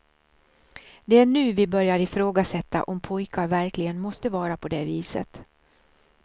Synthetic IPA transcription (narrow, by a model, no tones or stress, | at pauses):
d̪ɛæɳʉ̟ːvɪbœɾjaɾɪfɾoːɡasɛt̪ːa̰ʔɔmpʰɔjkaɾvæɾklɪɡənmɔst̪əvɑːɾapʰɔd̪ɛːviːsə̰t̪